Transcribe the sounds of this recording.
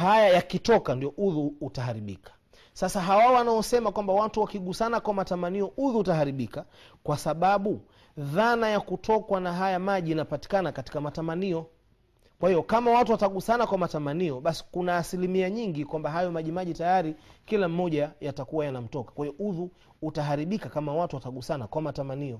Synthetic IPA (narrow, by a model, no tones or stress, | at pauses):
hajajakitɔkandijɔʔuðuːtaɦaɾiɓḭkʰḁ | sasaɦawaɔwanaɔsɛmakwambawatuwakiɠusanakwamatamaniɔuðuːtaɦaɾiɓika | kwasaɓaɓu | ðanajakutʰɔkwanaɦajamaʄinapati̥kanakati̥kamatamaniɔ | kwahijɔkamawatuwataɠusanakwamatamaniɔɓasi̥kunaːsilimiaɲiŋɡikwambaɦajɔmaʄimaʄitajaɾikilam̩ːɔʄajatakuwajanam̩tɔkḁkwahijɔʔuðuː | taɦaɾiɓikakamawatuwataɠusanakwamatamaniɔ